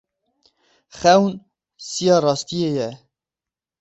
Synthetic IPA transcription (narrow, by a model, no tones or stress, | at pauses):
xɛwn | sijɑːrɑːst̪ijeːjɛ